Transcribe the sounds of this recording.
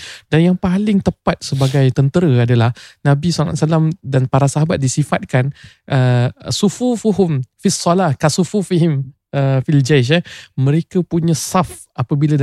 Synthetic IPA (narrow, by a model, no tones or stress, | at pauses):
danjaŋpalɪŋt̪əpat̪̚səbaɡajt̪ənt̪əɾəadalahnãbisala̰ʔsalamdanpaɾasaɦabat̪̚disifat̪̚kan | ʔəsufufuɦʊmfisɔlahkasufufiɦim | əfild͡ʒaʃ̬amə̃ɾekəpuɲãsaf | ʔapəbila